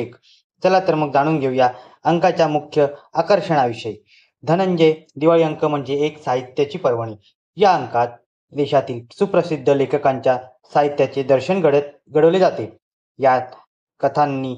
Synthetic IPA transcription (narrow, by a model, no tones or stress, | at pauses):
ek | t͡səlat̪əɾməɡ̚d͡zaɽ̃uːnɡʱeuja | əŋkat͡ɕjamukʰjəakəɾɕəɽ̃aʋiɕəj | d̪ʱənəɲd͡ʑejd̪iʋaɭiəŋkəm̤əɳd͡zeːksaɦit̪jat͡ɕiːpəɾʋəɽiː | jaəŋkat̪̚ | d̪eɕat̪iːlsupɾəsid̪ʱːəlekʰəkaɲt͡ɕja | saɦit̪jat͡ɕed̪əɾɕəɳɡəɽ | ɡəɽəʋled͡zat̪e | jat̪ | kət̪ʰanːiː